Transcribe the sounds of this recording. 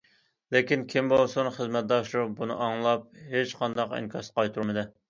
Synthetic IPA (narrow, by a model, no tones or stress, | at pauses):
lekʲinkʲʰimbolˠsunχəzmɛt̪̚d̪ɑʃlubunɨ̰ʔɑŋlˠɑp̚ɦet͡ʃqʰɑnd̪ɑqḭŋkʰɑsqʰɑjt̪ʰuɾmɨd̪ɨ